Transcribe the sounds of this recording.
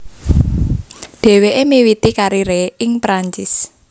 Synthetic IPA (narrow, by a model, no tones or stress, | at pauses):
ɖ̥e̤weʔemiwit̪ikaɾiɾeɪŋpɾaɲt͡ʃɪs